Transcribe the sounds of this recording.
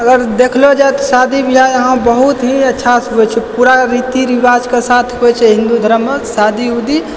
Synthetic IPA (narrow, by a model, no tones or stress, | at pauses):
əɡəɾd̪ekʰlod͡ʒaet̪ɔsad̪ʱibiɦajəɦãbəɦut̪ɦiətːʃʰasɦɛt͡ʃʰɛpuɾaɾit̪iɾibad͡ʒkesat̪ʰɦuɛt͡ʃʰɛɦĩnd̪ud̪ʱəɾəmːesad̪ʱiud̪i